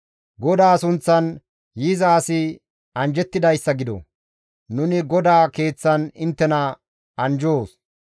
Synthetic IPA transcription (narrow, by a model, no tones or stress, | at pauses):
ɡɔd̪aːsʊnt͡sːɐn | jizaːsɪ | ɐnd͡ʒɛt̪ːɪd̪ɐjsːɐɡɪd̪ɔ̰ | nʊnɪɡɔd̪aːke̞ːt͡sːɐnɪnt̪ːɛnɐ | ʔɐnd͡ʒoːs